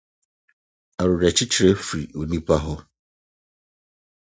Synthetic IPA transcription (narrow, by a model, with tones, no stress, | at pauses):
a˨ɾʊ˨ɾa˨t͡ɕʰi˦t͡ɕʰi˨ɾe˦fɾi˨o˨nĩ˦pʰa˦ɦɔ˦